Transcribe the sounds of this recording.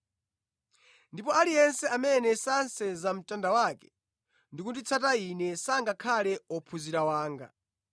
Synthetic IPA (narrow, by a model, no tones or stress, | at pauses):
ndipɔalijɛnsɛamɛnɛsansɛzam̩tʼandawakɛ̥ | ndikutit͡sʰatainɛsaŋɡakʰalɛɔpʰuziɾawaːŋɡa̰